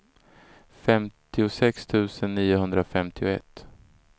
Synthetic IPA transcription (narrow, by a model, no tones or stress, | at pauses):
fɛmt̪ɪʊsɛkst̪ʰʉ̟ːsənːiːʊɦɵnd̪ɾafɛmt̪ʰɪʊɛ̰t̪ː